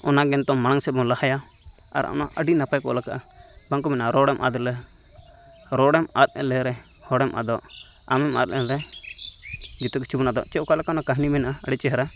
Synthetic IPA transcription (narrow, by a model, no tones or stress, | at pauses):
ɔnaɡɛnt̪ɔmañaŋsɛbɔŋlahaja | a̰ɾɔ̰naʔəɖinapajkɔ̰lakaʔa | baŋkɔmɛnaʔaɾɔɽɛmʔa̰d̪lɛ | ɾɔɽɛmat̪̚ˀɛ̰lɛɾɛ | hɔɽɛmʔa̰d̪ɔʔ | a̰mɛma̰t̪̚ɛlɛ | ɡit̪ɔk̬i̥t͡ʃʰibunad̪ɔ̰ʔt͡ʃɛkalɛkanɔkaɦnimɛnaʔaəɖɛt͡ʃɛɦɛɾa